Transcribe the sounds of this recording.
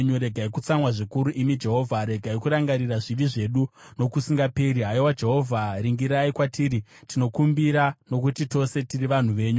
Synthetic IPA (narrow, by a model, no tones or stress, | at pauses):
ɲuɾe̞ɡʱaikut͡samwaʐikuɾuʔimid͡ʒe̞ɦo̞ːvʱaɾe̞ɡʱaikuɾaŋɡaɾiraʐiʋiʐe̞ɗuno̞kusiŋɡapeɾiɦaiwad͡ʒe̞ɦo̞vʱaɾiŋɡiɾaikwatiːɾitino̞kumbiɾano̞kutito̞se̞tiriʋan̤uʋe̞ːɲu